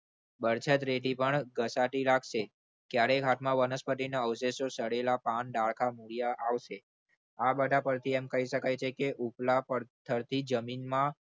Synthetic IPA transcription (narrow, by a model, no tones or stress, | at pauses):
bəɾt͡ʃʰət̪ɾeʈipəɳɡəsaʈilaɡʃe | kjaɾeɡʱat̪mãʋənəspəʈinaəʋseʃosəɽelapanɖaɭkʰamuɭijaʔaʋʃe | abəɖʱapəɾt̪ʰiɛmkəɦiʃəkajt͡ʃʰekeʔuplapəɾt̪ʰəɾt̪ʰid͡ʒəminmã